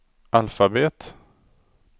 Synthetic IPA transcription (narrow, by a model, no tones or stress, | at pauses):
ʔalfabeːt̪